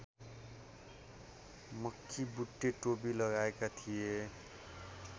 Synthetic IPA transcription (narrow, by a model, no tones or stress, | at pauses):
mʌkʰːibuʈːeʈobilʌɣaekat̪ʰije